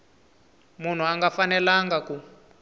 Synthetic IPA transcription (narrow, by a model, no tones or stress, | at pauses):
mun̤uaŋɡafanɛlaŋɡaku